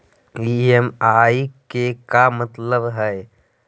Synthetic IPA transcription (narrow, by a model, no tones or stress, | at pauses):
iemaːikekamət̪ləbɦɛe